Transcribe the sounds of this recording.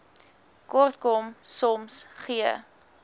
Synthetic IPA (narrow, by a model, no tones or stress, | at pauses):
kɔrtkɔmsɔmsχiə